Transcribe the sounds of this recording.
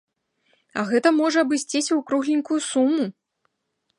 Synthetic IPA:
ɐ̰ɣɛt̪ɐmɔʐɐɐbɨsʲt͡sʲisʲɐwkɾuɣlʲinʲkujusumːu

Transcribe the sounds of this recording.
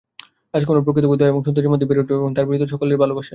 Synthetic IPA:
ad͡ʑkonop̬ɾok̬ɾit̪oɡud̪ʱaeboŋʃunt̪ɾoɾimod̪ʱːebiɾoʈoeboŋt̪aɾbiɾit̪ːoʃɔkoleɾbʱalobaʃe

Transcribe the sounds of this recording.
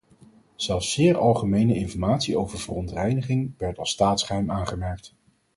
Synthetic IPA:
z̥ɛlˠfsːɪːɹɑlˠχəmejnəɪnfɔɹmaːtsiowv̥əɹvərɔntrɛjnəχɪŋʋɛɹtɑlˠstaːtsχəɦɛjmaːnχəmɛɹk̚t

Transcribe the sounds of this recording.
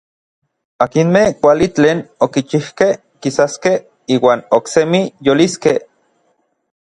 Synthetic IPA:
akinmehkʷalit͡ɬeːnokit͡ʃihkeh | kisaskeh | iːwaːnoksemijoliskeh

